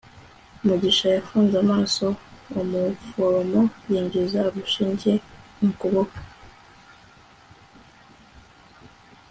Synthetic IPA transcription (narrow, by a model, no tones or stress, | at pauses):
umuɟiʃajafuːnzamaːso̞omufoɾomojiːɲɟezaβuʃiːɲɟeiŋkoβokḁ